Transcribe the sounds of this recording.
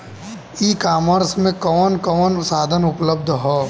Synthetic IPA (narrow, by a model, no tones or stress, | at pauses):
ikaːməɾsmẽkɔːnkɔːnsaːd̪ʱənʊpləb̚d̪ʱɦɔː